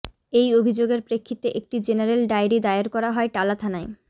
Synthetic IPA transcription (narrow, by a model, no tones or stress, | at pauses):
ejobʱid͡ʑoɡeɾpɾekʰːit̪eʔek̚ʈid͡ʑeneɾelɖajɾid̪aeeɾkɔɾaɦɔeʈalat̪ʰanae